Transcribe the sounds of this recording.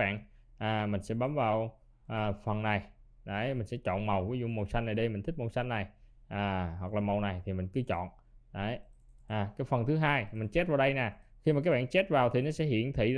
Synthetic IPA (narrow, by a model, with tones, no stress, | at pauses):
ɓa̰ː˧˨n | ʔaː˨˩mï˨˩ŋ̟sɛ̰˧˥ɓa˨˦mvaː˨˩w | ʔːfə˨˩nna˨˩j | ɗə˨˦jmï˨˩ŋ̟sɛ̰˧˥t͡ɕɔ̰˧˨nmə˨˩wvi˨˦zṵ˧˨mo˨˩wsa˧ŋna˨˩jɗə˧mï̟˨˩ï˦˥k̚m˨˩wsa˧jŋ̟nːa˨˩jʔaː˨˩ɦwa˨˩k̚laː˨˩mə˨˩wna˨˩jt̪ʰi˨˩mï˨˩ŋ̟kɨ˧˦t͡ɕɔ̰˧˨n | ɗə˨˦jʔaː˨˩kaː˨˦jfə˨˩nt̪ʰɨ˨˦ɦaː˧jmï˨˩ŋ̟t͡ɕe˦˥t̚vaː˨˩wɗə˧jna˨˩ | xi˧ma˨˩kaː˦˥k̚ɓa̰ː˧˨nt͡ɕe˦˥t̚vaː˨˩wt̪ʰi˨˩nɔ˨˦sɛ̰˧˥ɦḭ˧˨ənt̪ʰḭ˧˨